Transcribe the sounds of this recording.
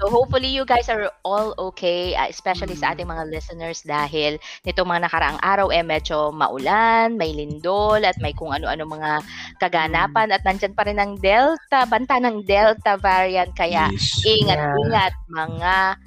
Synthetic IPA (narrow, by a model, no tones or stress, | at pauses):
soɦop̚fʊlijʊɡajsɐɹʔolokʰeja̰ʔɛspɛʃɐlisɐʔa̰ːt̪ɪŋmɐŋalɛsɛnɛɹsd̪aːɦɪlnɪt̪oŋmɐŋanɐkɐɾɐ̰ʔaŋʔaːɾɐwʔɛmɛd͡ʒo̞mɐ̰ʔʊlanmɐjlɪnd̪olɐt̪̚mɐjkʊŋɐno̞ʔɐno̞mɐŋakɐɡanaːpɐnɐt̪̚nɐnd͡ʒanpɐɾɪnːɐŋd̪ɛlt̪ɐbɐnt̪aʔnɐŋd̪ɛlt̪ɐvaɹiɐnt̪̚kɐjaʔʔiŋat̪̚iŋɐt̪̚mɐŋa